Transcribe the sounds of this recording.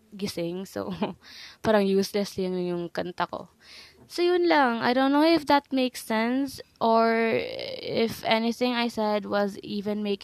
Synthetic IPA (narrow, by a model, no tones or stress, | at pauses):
ɡɪsɪŋso̰ | paːɾɐŋjuːslɛsliʊŋʊjʊŋkɐnt̪ɐko̰ | sojʊnlɐŋa̰jd̪õwnnːowɪfd̪ɐt̪̚meɪksɛ̃nsʔoɹ | ɪfɛnɪθɪ̃ŋajsɛd̪̚wɐziːvɛ̃nmejk